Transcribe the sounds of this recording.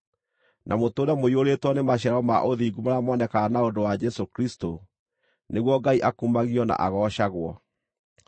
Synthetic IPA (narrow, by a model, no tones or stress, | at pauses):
nʔamotoːnamoioɾetwɔnemaɕɛɾɔmaʔoðiːɡumaɾamɔnɛkanaodowad͡ʒɛsokɾisto | neɣwɔɡaiʔakumaɣiɔna̰ʔa̰ɣɔːʃaɣwɔ